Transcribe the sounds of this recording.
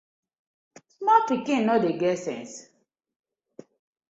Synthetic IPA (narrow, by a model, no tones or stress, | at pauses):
smɔpikĩnnɔdeɡɛsɛ̰̃ns